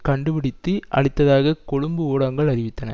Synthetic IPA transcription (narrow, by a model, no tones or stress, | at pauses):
kɐɳɖɯpɪɽɪt̪ːɯʔɐ̰ɭɪt̪ːɐðaːɣɐkɔɽɯmbɯoːɽɐŋɡɐɭɐɾɪʋɪt̪ːɐnɐ̰